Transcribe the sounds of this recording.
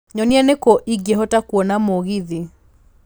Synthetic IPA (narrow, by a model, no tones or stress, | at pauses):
ɲɔniɛnekɔʔiɡjeɦɔtakwɔnamoɣiði